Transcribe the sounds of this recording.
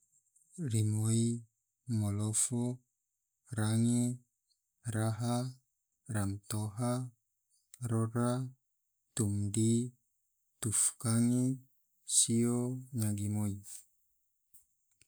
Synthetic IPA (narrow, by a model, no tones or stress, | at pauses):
rimoi | mɔlɔfo | ɾaŋe | ɾaɦa | ramt̪oɦa | ɾɔɾa | t̪umdi | t̪ufkaŋi | sioɲaɡimoi